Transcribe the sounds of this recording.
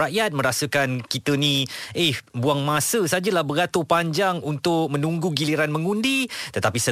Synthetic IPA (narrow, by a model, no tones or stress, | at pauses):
aʔjat̪̚mə̃ɾasəkankit̪ənĩʔehbuaŋmãsəsad͡ʒəlahbəɡat̪opaɲd͡ʒaŋunt̪ʊk̚mə̃nuŋɡuɡiliɾanmə̃ŋundit̪ət̪apisə